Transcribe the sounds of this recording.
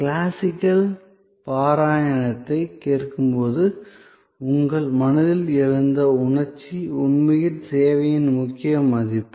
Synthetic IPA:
klaːsɪkːɐl | paːɾaːjɐnɐt̪ːɐɪkːeːrkɯmpoːðɯ | ʊŋɡɐɭmɐnɐðɪlɪɻɯnd̪ɐʊɳɐɾt͡ʃːiʊɳmɐjɪnseːʋɐjɪnmʊkːɪjɐmːɐðɪpː

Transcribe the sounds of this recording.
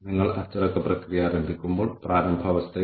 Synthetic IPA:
niŋɡɐɭɐt͡ʃɐɾɐkɐpɾɐkɾijaːɾɐmbʱikumbuɭpɾaːɾɐmbʱɐʋɐst̪ʰɐ

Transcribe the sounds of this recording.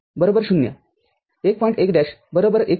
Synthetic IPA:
bəɾobəɾɕunːja̰ | ek̚pɔ̃jĩɳʈekɖæɕbəɾobəɾek

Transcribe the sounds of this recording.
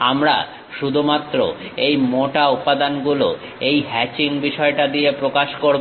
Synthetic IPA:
amɾa̰ | ʃud̪ʱumat̪ːɾo̰ejmoʈaupad̪anɡulo | ejɦɛt͡ɕiŋbiʃɔeʈad̪iepɾokaʃkoɾb

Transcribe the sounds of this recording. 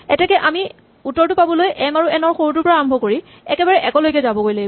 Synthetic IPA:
ɛtɛkɛʔami | utːɔɹtʊpabɔlojʔɛmaɹuɛnɔɹxoɹut̬ʊɹpɔɹaambʱɔkoɹi | ɛkɛbaɹɛʔɛkɔlojk̬ɛzabɔkojlaɡi

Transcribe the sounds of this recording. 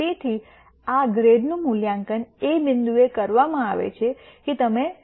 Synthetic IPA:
it̪ʰi | aɡɾeɖnũmuljãŋkənebɪnd̪uekəɾʋamãaʋḛt͡ʃʰeket̪əme

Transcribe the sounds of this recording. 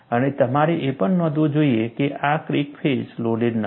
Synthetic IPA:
ənet̪əmaɾeʔepəɳnɔd̪ʱõd͡ʒoiekeʔakɾikfʰesloliɾn

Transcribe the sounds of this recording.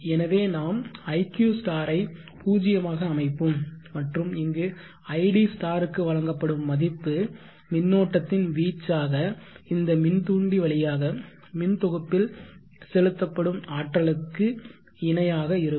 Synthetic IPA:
ɛnɐʋeːnaːmɐɪkjuːsʈaːɾɐɪ | puːd͡ʒɪjɐmaːɣɐːmɐɪpːɯmːɐʈrɯmɪŋɡɯ | ɐɪɽisʈaːɾɯkːɯʋɐɻɐŋɡɐpːɐɽɯmːɐðɪpːɯ | mɪnːoːʈːɐt̪ːɪnʋiːt͡ʃːaːɣɐɪnd̪ɐmɪnt̪uːɳɖiʋɐɭɪjaːɣɐ | mɪnt̪ɔɣɯpːɪl | sɛlɯt̪ːɐpːɐɽɯmaːʈrɐɭɯkːɯ | ɪnɐjaːɣɐɪɾɯ

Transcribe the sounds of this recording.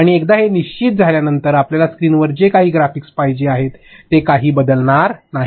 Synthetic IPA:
aɽ̃iekd̪aɦeniɕt͡ɕit̪̚d͡zʱaljanənt̪əɾapljalaskɾiːnʋəɾd͡ʑekaɦiːɡɾafikspajd͡ʑeaɦet̪ːekaɦiːbəd̪əlɳaɾnaɦi

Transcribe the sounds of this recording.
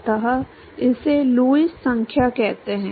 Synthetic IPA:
t̪aɦa | ɪseluːɪssə̃ŋkʰjakɛɦt̪eɦɛ̃ː

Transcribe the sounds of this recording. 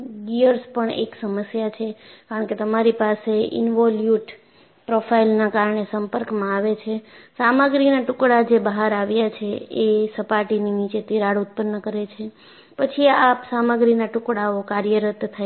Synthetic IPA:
ɡiəɾspəɳḛksəməsjat͡ʃʰekaɾəɳket̪əmaɾipaseɪ̰nʋɔljuʈ | pɾofʰailnakaɾəɳesəmpəɾkmãaʋet͡ʃʰesaməɡɾinaʈʊkɽad͡ʒebəɦaɾaʋjat͡ʃʰeesəpaʈinimĩt͡ʃet̪iɾaɽut̪̚pənːəkəɾet͡ʃʰe | pət͡ʃʰiapsaməɡɾinaʈʊkɽaokaɾjəɾət̪ːʰa

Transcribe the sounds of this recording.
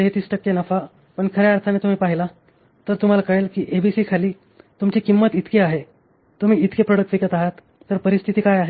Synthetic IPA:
ɦet̪iːsʈəkːenəfa | pəɳkʰəɾeaɾt̪ʰanet̪um̤iːpaɦila | t̪əɾt̪um̤alakəɭelkiːʔebisiːkʰaliː | t̪umt͡ɕikimːət̪it̪kiaɦe | t̪um̤iːit̪kepɾoɽək̚ʈʋikət̪aɦat̪ː | əɾpəɾist̪ʰit̪iːkajaɦe

